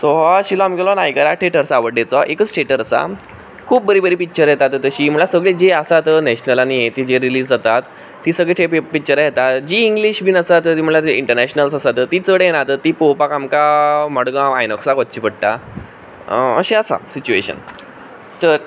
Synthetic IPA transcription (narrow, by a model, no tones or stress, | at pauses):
soɦaɕilɔamikelɔnaikəɾaʈʰeʈəɾsaːʋəɽet͡sɔʔekət͡sʈʰeʈəɾəsa̰ | kʰuːp̚bəɾibəɾiːpik̚t͡ɕəɾjet̪at̪t̪əɕiːm̤əɳɭlasəɡɭed͡ʑeəsat̪ənɛɕnəlaniet̪id͡ʑeɾiliːsd͡zat̪at̪ː | iːsəɡɭeʈʰeppik̚t͡ɕəɾajet̪at̪d͡ʑiːŋɡliɕbʱiːnəsat̪t̪im̤əɳlat̪iɳʈəɾnɛɕnəlsəsat̪ət̪iːt͡səɽjenat̪ət̪iːpopakamkamɔɽɡãajnɔksakɔtt͡ɕiːpəɽʈ̪a̰ | ə̰ɕẽəsa̰sit͡ɕueɕə̰n | t̪əɾ